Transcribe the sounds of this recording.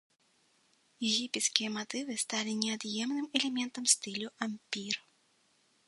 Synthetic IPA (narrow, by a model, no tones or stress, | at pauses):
jɛɣʲipʲɛt̪skʲijɐmat̪ɨvɨst̪alʲinʲɛad̪jɛmnɨmɛlʲɛmʲɛnt̪ɐmst̪ɨlʲuʔamʲpʲir